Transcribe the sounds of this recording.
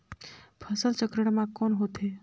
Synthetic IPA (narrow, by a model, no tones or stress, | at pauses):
pʰəsəlt͡ʃəkɾəɽmãkɔnɦot̪ɦe